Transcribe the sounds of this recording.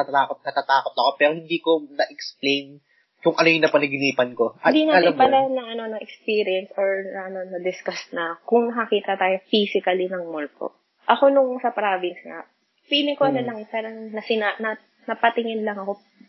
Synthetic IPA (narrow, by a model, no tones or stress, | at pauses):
aːkot̪̚nɐt̪at̪aːkot̪ɐko̞pɛːɾohɪnd̪iːkonɐʔɛksplejn | kʊŋʔɐnojʊnɐpɐnɐɡɪniːpɐnko̞ʔɐd̪inaɐlɪmpalanɐʔɐno̞nɐʔɛkspiːɾɪɛnsoɹnɐʔɐno̞nɐd̪ɪskɐsnɐkʊŋnɐkɐkiːt̪ɐt̪aːjofiːsɪkɐlinɐŋmolt̪o̰ | ʔɐko̞nʊŋsɐpɾaːvɪnsŋɐ̰ | fiːlɪŋkoɐnolɐŋpaːɾɐŋnɐsɪnanɐ | nɐpɐt̪ɪŋɪnlɐŋɐko̞